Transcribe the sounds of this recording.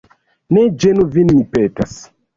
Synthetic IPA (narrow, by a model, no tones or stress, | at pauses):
ned͡ʒenuvinmipetas